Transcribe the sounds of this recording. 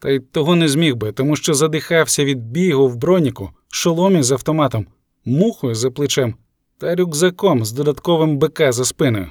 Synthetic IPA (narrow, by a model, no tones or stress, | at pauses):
t̪ɐjt̪ɔɦɔnɛzʲmʲiwbɪt̪ɔmuʃt͡ʃɔzɐd̪ɪxɑwsʲɐʋʲid̪̚bʲijɦʊwbɾɔnʲikʊ | ʃɔlˠɔmʲizɐwt̪ɔmɑt̪ɔmː | uxʊjʊzɐplˠɪt͡ʃɛm | t̪ɐɾʲuɡzɐkɔmzd̪ɔd̪ɐt̪kɔʋɪmbɪkɛzɐspɪnʊjʊ̰